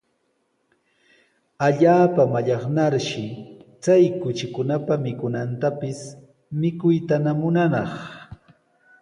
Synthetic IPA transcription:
aʎaːpamaʎɑχnaɾʃɪt͡sajkʊt͡ʃɪkʊnapamɪkʊnant̪apɪs | mɪkʊjt̪anamʊnanɑχ

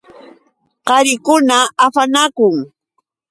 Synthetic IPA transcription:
qɑɾɪkʊnaːpanakʊŋ

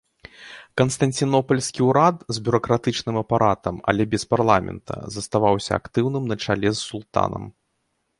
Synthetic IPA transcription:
kɐnst̪ɐnt͡sʲinɔpɐlʲsʲkʲiwɾat̪zʲbʲuɾɐkɾat̪ɨt͡ʂnɨmɐpaɾʔat̪ɐmɐ̰lʲɛbʲɛsparlˠamʲɛ̰nt̪ʰɐ̰zɐst̪avawsʲɐ̰a̰kt̪ɨwnɨmnɐt͡ʂalʲɛsːulˠt̪a̰nɐ̰m

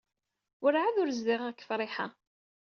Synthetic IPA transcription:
ʊɾʕaðʊɾzðiʁakːə̥fɾˤɪħa

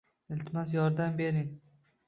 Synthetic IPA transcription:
ɪlt̪ʰɪmɑzjɒɾd̪ambeɾɪŋ

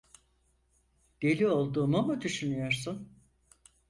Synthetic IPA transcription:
d̪̥e̞lʲio̞lˠd̪uːmumud̪yʃynyjo̞ɾsun

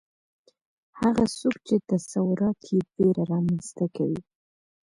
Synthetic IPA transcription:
haɣasokt͡ʃet̪asawʊɾɑt̪ʰjebeɾaɾɑmanst̪akawi

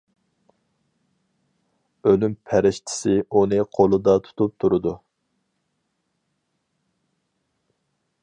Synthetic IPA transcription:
ølympʰæɾɪʃt̪ʰɪ̥sɪunɨqʰolˠɨd̪ɑt̪ʰu̥t̪ʰup̚t̪ʰuɾʊd̪u

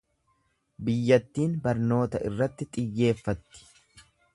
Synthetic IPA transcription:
bɪjːɐt̪ːiːnbɐɾno̞ːt̪ɐɪrːɐt̪ːɪt̪ʼɪjːe̞ːfːɐt̪ːɪ̥

